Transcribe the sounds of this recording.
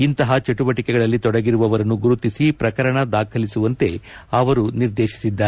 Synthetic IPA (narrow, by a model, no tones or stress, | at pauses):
int̪ɐɦɐt͡ʃeʈuʋɐʈikɛɡɐɭɐlːit̪ɔɽɐɡiɾuʋɐʋɐɾɐnːuɡuɾut̪isipɾɐkɐɾɐɳɐd̪aːkʰɐlisuʋɐnt̪e̞ɐʋɐɾuniɾd̪eːʃi̥sid̪ːaːɾe